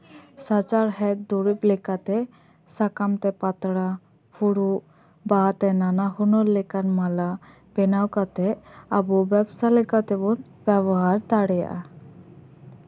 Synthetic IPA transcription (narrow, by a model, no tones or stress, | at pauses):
sat͡ʃaɾɦɛt̪̚d̪uɾip̚lɛkat̪ɛ | sakamt̪ɛpat̪ɽa | pʰuɽuʔ | bat̪ɛnanahunɔɾlɛkanmala | bɛnawkat̪ɛabubɛbsalɛkat̪ɛbɔn | bɛbɔɦaɾt̪aɽɛja̰ʔa